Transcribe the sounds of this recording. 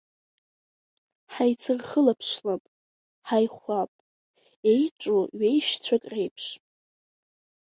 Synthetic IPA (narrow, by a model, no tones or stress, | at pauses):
ħajt͡sʰɨrχəlapʰʂlapʼ | ħajχʷapʼ | ejʈ͡ʂʷʼuɥejʃt͡sʷʰakʼrejpʰʂʼ